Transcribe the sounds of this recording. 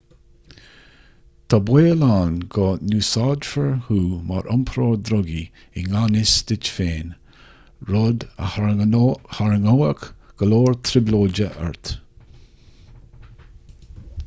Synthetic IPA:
t̪ʰabweːlaːnɡɔːnuːsɑːdfəɹhuːma̰ɹʔʊmpʰɾoːɹd̪ɾɔɡi | ɪŋanɪsd̪̥ɪt͡ʃfeːn | ɹɔd̪ə | haɹəŋoəkɡ̥əloːɹt̪ʰɾɪbloːd͡ʒəʔɛ̰ɹt̪

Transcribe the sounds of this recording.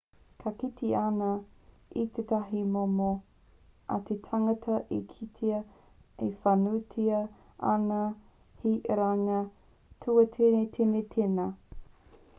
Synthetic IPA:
kʰɐkit̪ʰianɐ | it̪ʰetɐɦimomo | ɐ̰tʰetʰaŋɐtʰɐʔikʰitʰiɐ | efanutʰiɐ | ɐ̰nɐ | hiʔɾaŋɐ | tʰuɐtʰenetʰenet̪ʰenɐ

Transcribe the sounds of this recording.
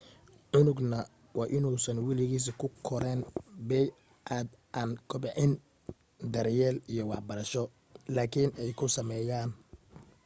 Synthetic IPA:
ʕʊnʊɡnɐ | wɑːʔɪnuːsɐnwɛlɪɣiːs̬kʰʊkʰɔɾɛnbɛj | ʔaːd̪ | ʔaːnkʰʊbɛʕɪn | d̪ɐɾjɛːlijɔwɑħbɐɾɐʃɔ | laːkʰinɛjkʰʊsɐmɛːjaːn

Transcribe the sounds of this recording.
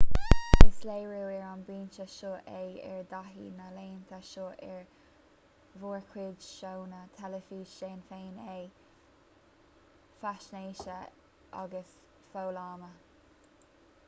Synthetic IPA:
ɪsleːɹuːɛɹanbɹiːnʃəʃoʔejɛ̰ɹd̪aɦḭːnaleːnt̪ʰaʃoːʔɛɹ | vuːɹkʰwɪdʃownət̪ʰɛləfiːʃeːnfeːnej | faʃneːʃə | ʔa̰ɡəs | foːlɑːmə

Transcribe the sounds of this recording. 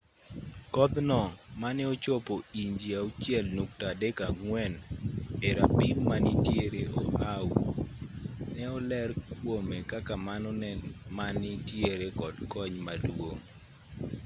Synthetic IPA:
kɔd̪nɔmanɛɔt͡ʃɔpoiɲd͡ʒiaut͡ʃjɛlnuk̚tadekaŋwɛneɾapimːanitjeɾeʔɔʔaw | nɛɔlɛrkwomekakamanɔnɛnmanɪtjeɾekɔdkɔɲmadwoŋ

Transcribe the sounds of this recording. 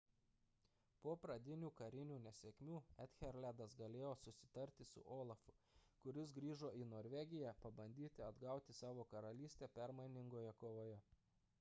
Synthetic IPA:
poːpɾɐd̪ʲɪnʲuːkɐɾʲɪnʲuːnʲɛsʲeːkʲmʲuːɛt̪ʲxʲɛɾʲlʲæd̪ɐsɡɐlʲeːjoːsʊsʲɪ̥t̪ɐɾʲt̪ʲɪsʊ̰ʔoːlˠɐfʊkʊɾʲɪsɡɾʲiːʒoːinoːɾʲʋʲɛɡʲɪjæpɐbɐnʲd̪ʲiːt̪ʲɪɐd̪ɡɑˑʊt̪ʲɪsɑːʋoːkɐɾɐlʲiːsʲt̪ʲeːpʲɛɾmɐɪnʲɪŋɡoːjɛkoːʋoːjɛ

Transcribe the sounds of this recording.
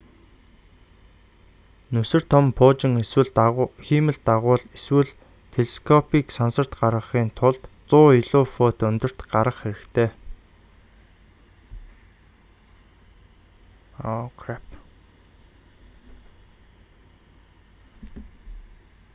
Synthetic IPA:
nɵsɵ̆r̥t̪ʰɔmpʰoːt͡ɕɪ̆ŋwɘ̆ɮxiːmɘ̆ɮt̪aʁʊːɮeswɘ̆ɮ | t̪ʰeɮeskʰɔpʰiːksansə̆r̥t̪ɢarʁə̆χiːnt̪ʰʊɮt̪t͡sʊːiɮʊːfoːt̪ɵnt̪ɵ̆r̥t̪ɢaɾʁə̆χxeɾɘ̆kt̪ʰeː | ɔkʰrap

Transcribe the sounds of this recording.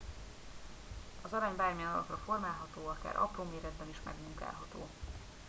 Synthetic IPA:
ɒzɒɾaːɲbaːrmijɛnɒlɒkrɒfo̞rmaːlɦɒt̪oːɒka̰ːɾʔɒ̰proːmeːɾɛd̪̚bɛniʃmɛ̰ɡmuŋka̰ːlɦɒt̪o̰ː

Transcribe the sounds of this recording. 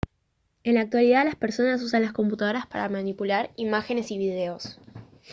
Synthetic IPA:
e̞nlaːk̚t̪waliðalaspeɾso̞nas̬usanlasko̞mput̪að̞oɾaspa̰ɾamanipulaɾimaxe̞ne̞siβiðe̞o̞s

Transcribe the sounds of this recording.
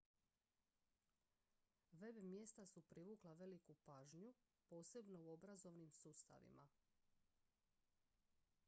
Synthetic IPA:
ʋe̞bmje̞st̪asupɾiʋuːklˠaʋe̞likupaːʒɲu | po̞ːse̞bno̞uo̞bɾazo̞ʋnimsuːst̪a̰ʋḭma

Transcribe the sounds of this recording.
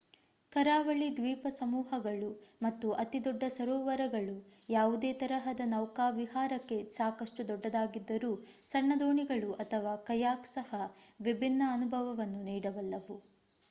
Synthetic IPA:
kɐɾaːʋɐɭid̪ʋiːpɐsɐmuːɦɐɡɐɭumɐt̪ːuʔɐt̪id̪ɔɖːɐsɐɾɔːʋɐɾɐɡɐɭujaːʋud̪eːt̪ɐɾɐɦɐd̪ɐnɐwkaːʋiɦaːɾɐkːe̞saːkɐʂʈud̪ɔɖːɐd̪aːɡid̪ːɐɾuːsɐɳːɐd̪oːɳiɡɐɭuʔɐt̪ʰɐʋaːkɐjaːksɐhɐʋibʱinːɐːnubʱɐʋɐʋɐnːuniːɽɐʋɐlːɐʋu

